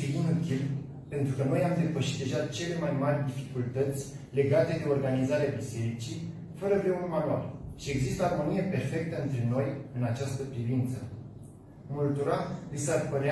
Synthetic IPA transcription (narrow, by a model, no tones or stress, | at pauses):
iinut̪il | pe̞nt̪ɾukəno̞jamd̪e̞pəʃit̪̚d̪e̞ʒat͡ʃe̞le̞majmarʲd̪ifikult̪ət̪sʲ | le̞ɡat̪e̞d̪e̞o̞rɡanizaɾeabise̞ɾit͡ʃi | fəɾəvɾe̞ulʲmanua̰rʃie̞ɡzist̪əarmonijepe̞rfe̞k̚t̪əɨnt̪ɾe̞no̞jɨnat͡ʃast̪əpɾivint̪sə | mult̪uɾalisarpəɾea